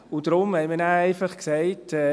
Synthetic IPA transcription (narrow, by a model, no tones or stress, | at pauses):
ʊd̥ɾʊmhɛɪmiːɾnæːæɪfɑχksɛɪtɛː